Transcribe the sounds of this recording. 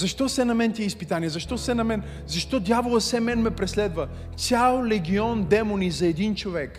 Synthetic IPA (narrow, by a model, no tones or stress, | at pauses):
zɐʃt̪ɔsɛnɐmɛnt̪ʲiɛispit̪aniɛzɐʃt̪ɔsɛnɐmɛn | zɐʃt̪ɔd̪ʲjavolˠəsɛmɛnmɛpɾɛslɛd̪və | t̪sʲjalˠlɛɡʲiɔnd̪ɛmonizɐɛd̪int͡ʃovɛk